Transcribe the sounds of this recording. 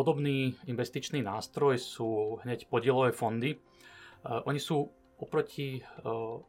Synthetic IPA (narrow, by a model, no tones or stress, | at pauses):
ɔd̪ɔbniːinʋɛst̪it͡ʃniːnaːst̪ɾɔjsuːɦɲɛcpɔɟɪɛlɔʋɛfɔnd̪i | ʔɔɲisuː | ɔpɾɔcʰi